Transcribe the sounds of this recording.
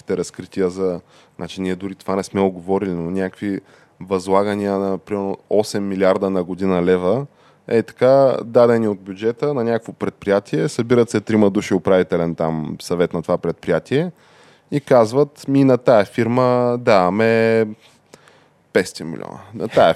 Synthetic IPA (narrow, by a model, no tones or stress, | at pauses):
i̥t̪ɛɾɐskɾit̪iəzɐ | nat͡ʃiniɛd̪ʊɾit̪o̥vanɛsmɛʊɡovɔɾilinonʲakvi | vɐzlˠaɡəniənɐpɾimɛɾnoɔsɛmːilʲiaɾd̪ənɐɡod̪inɐlɛvə | ɛt̪ɐ̥kad̪ad̪ɛniod̪̚bʲjud͡ʒɛt̪ənɐnʲakkvopɾɛt̪̚pɾijat̪ʰiɛsɐbiɾət̪sɛt̪ɾiməd̪uʃiopɾavit̪ɛlɛnt̪amsɐvɛt̪nɐt̪ovapɾɛt̪̚pɾijat̪iɛ | ikazvət̪minɐt̪aɛfiɾməd̪amɛ | pɛst̪ɛmḭl̰ʲɔ̰nə̰nɐ̰t̪aɛ